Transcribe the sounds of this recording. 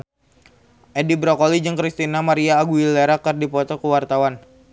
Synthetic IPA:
ʔɛdibɾɔkolid͡ʒɨŋkɾist̪inamaɾiaːɡuileɾakɨrdipɔt̪ɔkuwart̪awan

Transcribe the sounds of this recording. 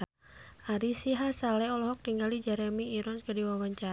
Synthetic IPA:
aɾisiɦasalɛɔlɔɦɔk̚t̪iŋɡalid͡ʒɛɾɛmiːɾɔnskadiwawaɲt͡ʃa

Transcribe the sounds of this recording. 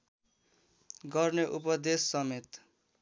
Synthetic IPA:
ɡʌrneʔupʌd̪esːʌmet̪

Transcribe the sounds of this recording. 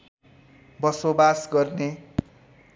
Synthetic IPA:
bʌsobasɡʌrne

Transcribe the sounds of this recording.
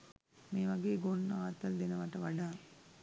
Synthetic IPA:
meːʋɐɡeːɡonaːt̪ːɐld̪enɐʋɐʈɐʋɐɖaː

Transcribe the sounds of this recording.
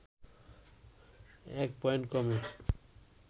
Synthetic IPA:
ɛk̚pɔjɳʈkɔme

